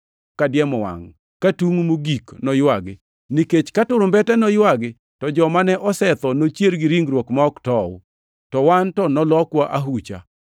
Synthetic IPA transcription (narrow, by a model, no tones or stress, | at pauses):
kadjɛmɔwa̰ŋ | katuŋmoɡiknɔjwaɡɪ | niket͡ʃkatʊɾʊmbɛtɛnɔjwaɡɪ | tɔd͡ʒɔmanɛʔɔsɛt̪ɔnot͡ʃeɾɡɪɾiŋɡɾwokmaɔktɔwʊ̰ | tɔwantɔnɔlɔkwaʔaɦut͡ʃa̰